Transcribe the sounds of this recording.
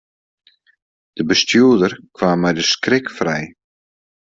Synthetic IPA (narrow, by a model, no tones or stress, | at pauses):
d̥əbəstjuːədərkʋaːmːɛjdəskrɪkfrɛj